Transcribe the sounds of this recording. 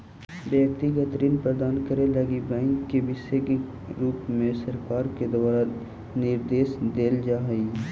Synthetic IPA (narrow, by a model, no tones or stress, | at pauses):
bjəkt̪iɡət̪ɾiːnpɾəd̪aːnkəɾẽlɐɡibɛ̃ːŋkːebɪʃeɡ | ɾuːpmẽsɐɾkaːɾked̪ɐʋaːɾa | nɪɾd̪eːsd̪eːld͡ʒaːɦəi